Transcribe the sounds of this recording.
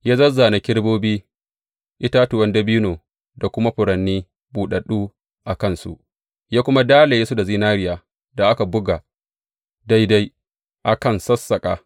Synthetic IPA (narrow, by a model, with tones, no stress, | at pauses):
jaː˦zɐ˦zːaː˨na˨kʲɪ˦ɽboː˦biː˦ | ʔɪ˦ta˦tʊ˨wɐ˦ndɐ˦bi˦noː˨ | da˨kʷʊ˦ma˦ɸʊ˨ɾɐ˨nːiː˦ | buː˨ɗɐ˨ɗuː˦ | ʔa˨kɐ˦˨nsṵ˦ʔ | jaː˦kʷʊ˦ma˦daː˦la˨jeː˦su˦da˨zi˦naː˦ɾɪ˨jaː˨ | da˨ʔa˦ka˨bʊ˦ɡa˨ | da˦jda˦j | ʔa˨kɐ˦˨nsɐ˦sːɐ˨kʼaː˨